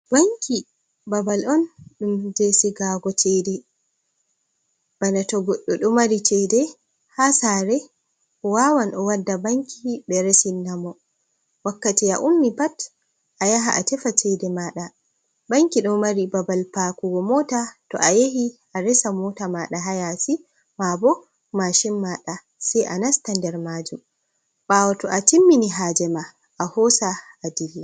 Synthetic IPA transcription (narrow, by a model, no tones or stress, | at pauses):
baŋkʰi | babalɔnɗumd͡ʒesiɡaɡɔt͡ʃɛdɛ | b̥anatɔɡɔɗːɔɗɔmaɾit͡ʃɛdɛ | hasaɾɛ | ɔwawanɔwadːabaŋkʰibɛɾɛsinːamɔ | wakːatiaʔumːipat | ʔajaɦaʔatɛfat͡ʃɛdɛmaːɗa | baŋkiɗɔmaɾibabalpakuɡɔmɔːtatɔ̰ʔajehiʔaɾɛsamɔːtamaːɗaɦajasi | mabɔ | maʃimːaɗa | sɛjʔanastandɛɾmaːd͡ʒum | ɓaːwɔtɔʔatimːiniɦaːd͡ʒɛma | ʔahɔːsaʔːdilːa